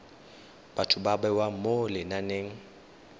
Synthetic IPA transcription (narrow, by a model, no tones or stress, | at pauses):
batʰʊbabɛwamolɪnaneŋ̩